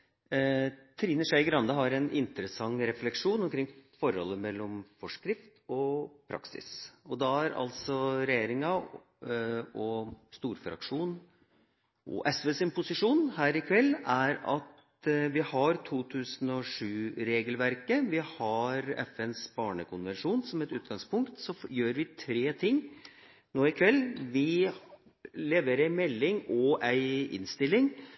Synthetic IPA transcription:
t̪ʰɾiːnəʂæɪɡɾɑnd̪ɑɦɑɾɛnʔɪ̰nt̪ɾəsɑŋːɾɛflɛkʂuːnɔmkʰɾɪŋːfɔɾhɔ̰lːəmɛlːɔmfɔʂkɾɪft̪ɔpʰɾɑ̰ksɪ̰sɔd̪ɑæɾɑ̰lsɔɾɛjeːɾɪŋɑ | ɔst̪uːɾfɾɑ̰kʂuːn | ʔɔ̰ʔɛsʋeːsɪnpʰʊsɪʂuːnɦæːɾɪkʰʋɛlːæɾɑt̪ | ʋɪhɑɾt̪ʰuːt̪ʰʉːsənɔʂʉːɾeːɡəlʋæɾkəʋɪhɑɾɛ̰fɛnsbɑːɳəkʰʊnʋɛnʂuːnsɔmɛt̪ʉːt̪̚ɡɑŋspʰʊŋkt̪sɔjøːɾʋɪt̪ʰɾeːt̪ʰɪŋː | noːɪkʰʋɛlːʋɪ | leːʋəɾæɪmɛlːɪŋɔæɪɪ̰nst̪ɪlːɪŋ

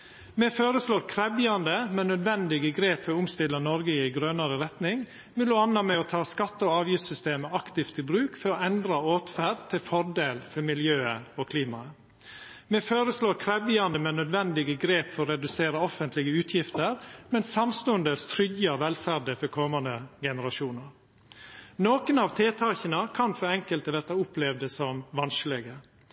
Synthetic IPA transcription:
mɛføːɾəsloːɾkʰɾɛbjɑnd̪əmɛnːœd̪ʋɛnd̪ɪɡəɡɾeːpfɔɾʊmst̪ɪlːənɔɾɡəɪɪɡɾœnəɾəɾɛt̪nɪŋ | mɛloːɑnːɑmɛɔt̪ʰɑːskɑt̪ːəɔɑːʋjɪft̪sʏst̪eːməɑkt̪ɪft̪ɪbɾʉːkfɔɾɔɛnd̪ɾɑoːt̪fæɖ̚t̪ʰɪlfɔɾɖeːlfɔɾmɪljøːəɔkʰliːmɑə | mɛføːɾəsloːɾkʰɾɛbɪɑnd̪əmɛnːœd̪ʋɛnd̪ɪɡəɡɾeːpfɔɾɔɾɛd̪ʉseːɾəɔfənt̪lɪɡəʉːt̪ʰjɪft̪əɾmɛnsɑmst̪oːənd̪əst̪ʰɾʏɡəɑʋɛlfæɖəfɔɾkʰɔmɑnd̪əɡɛnəɾɑʃuːnəɾ | noːkənɑʋt̪ʰeːt̪ʰɑːçənəkʰɑnfɔɾɛŋkəlt̪əʋɛt̪ɑʊplɛʋd̪əsɔmʋɑnslɛɡə

